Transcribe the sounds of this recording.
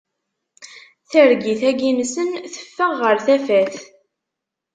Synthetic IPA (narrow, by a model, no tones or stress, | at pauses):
θəɾɡiθæɡimsənθə̥fːəʁːəɾθæfæθ